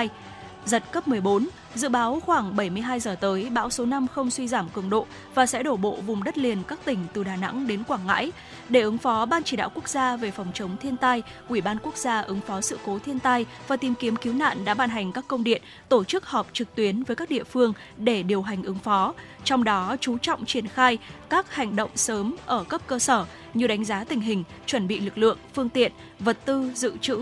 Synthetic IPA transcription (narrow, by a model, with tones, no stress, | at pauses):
j | zə˨˩t̚kə˦˥p̚mɨ˨˩əjɓo˨˦n | zɨ̰˧˨ɓaː˨˦wxwaː˧˩ŋɓə˧˩jmɨ˧əjɦaː˧jzəː˨˩t̪əː˨˦jɓa̰ː˧˥wso˨˦na˧mxə˧wŋ͡mswi˧zaː˧˩mkɨ˧˩əŋɗo̰˧˨ | vaː˨˩sɛ̰˧˥ɗo˧˩ɓo̰˧˨vʊ˨˩ŋ͡mɗə˦˥t̚li˨˩ənkaː˦˥k̚t̪ï˧˩ŋ̟t̪ɨ˨˩ɗaː˨˩na̰˧˥ŋɗe˨˦nkwaː˧˩ŋːa̰ː˧˥j | ɗe˧˩ʔɨ˨˦ŋfɔ˨˦ɓaː˧nt͡ɕi˧˩ɗa̰ː˧˨wku˦˥ək̚zaː˧ve˨˩fɔ˨˩wŋ͡mt͡ɕə˨˦wŋ͡mt̪ʰi˧ənt̪a˧j | ʔwi˧˩ɓaː˧nku˦˥ək̚z̥aː˧ʔɨ˨˦ŋfɔ˨˦sɨ̰˧˨ko˨˦t̪ʰi˧ənt̪a˧j | vaː˨˩t̪i˨˩mki˨˦əmki˨˦wna̰ː˧˨nɗa̰ː˧˥ɓaː˧˩nɦa˨˩jŋ̟kaː˦˥kːə˧wŋ͡mɗḭ˧˨ən | t̪o˧˩t͡ɕɨ˦˥k̚hɔ˨˩p̚t͡ɕɨ˨˩k̚t̪wi˨˦ənvəː˨˦jkaː˦˥k̚ɗḭ˧˨əfɨ˧əŋ | ɗe˧˩ɗi˨˩əwɦa˨˩jŋ̟ʔɨ˨˦ŋfɔ˨˦ | t͡ɕɔ˧wŋ͡mɗɔ˨˦t͡ɕu˨˦t͡ɕɔ̰˧˨wŋ͡mt͡ɕi˧˩ənxaː˧jkaː˦˥k̚ha˨˩jŋ̟ɗo̰˧˨wŋ͡msəː˨˦mʔəː˧˩kə˦˥p̚kəː˧səː˧˩ | ɲɨ˧˩ɗa˨˦ŋ̟zaː˨˦t̪ï˨˩ŋ̟ɦï˨˩ŋ̟ | t͡ɕwə˧˩nɓḭ˧˨lɨ˨˩k̚lɨ̰˧˨əŋfɨ˧əŋt̪ḭ˧˨ən | və˨˩t̚t̪ɨ˧zɨ̰˧˨t͡ɕɨ̰˧˥